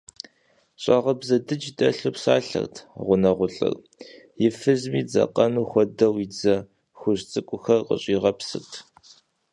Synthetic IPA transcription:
ɕʼɑʁɐbzɐdɨd͡ʒdɐɬopsaːɬɐ̰rtʰʁʷʊnɐʁʷʊɬʼɨ̰r | jɪfɨzmiːd͡zɐ̰qɐnuːxʷɔdɐwɪd͡zɐ | xʷʊʑt͡sʼɨkʷʼʊxɐrqə̰ɕʼiːʁɐpsɨ̰rtʰ

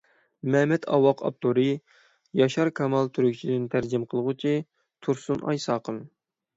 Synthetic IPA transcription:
mɛmɛt̪ʰɑ̰wɑqʰɑ̰p̚t̪ʰoɾɨ | jɑʃɑɾkʰɑmɑlˠt̪ʰyɾykʲt͡ʃʰid̪ɪnt̪ʰæɾd͡ʒimqʰəlˠəʁʊt͡ʃʰi | t̪ʰuɾsunʔɑ̰jsɑːqən

